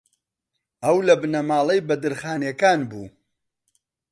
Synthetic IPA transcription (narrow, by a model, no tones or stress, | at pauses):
ɐwlɐbnɐmaːlˠɐjbɐd̪ɨɾχaːnjɛkaːnbṵː